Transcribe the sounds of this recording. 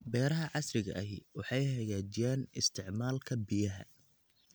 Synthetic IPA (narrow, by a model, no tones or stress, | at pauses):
bɛːɾɐɦɐʕɑsrɪɣɐ̰ʔɐɦɪwɑħɑjhɐɣaːt͡ʃɪjaːnɪst̪ʰɪʕmaːlkʰɐbɪjɐɦɐ̰